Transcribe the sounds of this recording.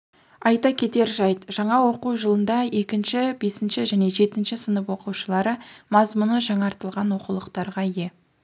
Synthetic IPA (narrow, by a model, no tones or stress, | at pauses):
ɑjt̪ɑkʲʰe̞t̪e̞ɾʒɑjt̪ʒ̥ɑɴɑwo̞quwʒəlˠənd̪ɑe̞kʲɪnʃɪbe̞sɪnʃɪʒæne̞ʒe̞t̪ɪnʃɪsənəpwo̞quʃəlˠɑɾəmɑzmʊnəʒɑɴɑɾt̪əlˠʁɑnwo̞qulˠəqt̪ɑɾʁɑje̞